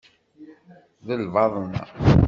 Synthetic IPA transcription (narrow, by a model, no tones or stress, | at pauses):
ðəlvɑðˤənːæ̰